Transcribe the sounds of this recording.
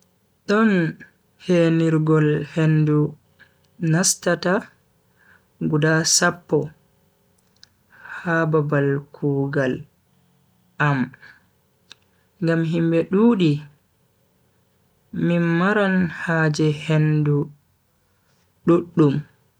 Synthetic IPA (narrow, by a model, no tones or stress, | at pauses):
ɗɔn | heniɾɡɔlhendu | nastata | ɡudasapːɔ | hababalkʰuɡal | ʔam | ŋɡamɦimbɛɗuːɗi | mimaɾanhaːd͡ʒɛhendu | ɗuɗːum